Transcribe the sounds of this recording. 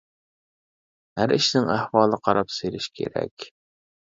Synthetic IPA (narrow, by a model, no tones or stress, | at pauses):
hæɾiʃnɪŋæhwɑːlˠəqʰɑɾɑpselɪʃkʲʰḛɾɛ̰kʲ